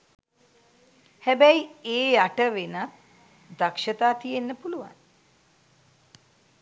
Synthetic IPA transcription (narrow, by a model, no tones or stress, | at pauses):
hæbɛjieːaʈəʋenat̪ | d̪akʂət̪aːt̪ijenːəpuluʋa̰n